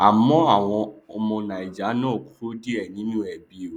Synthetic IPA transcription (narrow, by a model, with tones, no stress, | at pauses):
a˨mɔ̃˨˦a˦˨w̃ɔ̃˧o˧mɔ̃˧nã˨i˨d͡ʒa˨˦nɔ̃˦˨ku˦ɾo˦di˦ɛ˦˨nĩ˨˦nũ˦ɛ˨bi˨˦˨